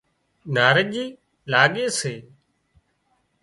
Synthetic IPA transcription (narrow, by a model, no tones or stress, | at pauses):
naːɾəʄiː | laːɠeːseː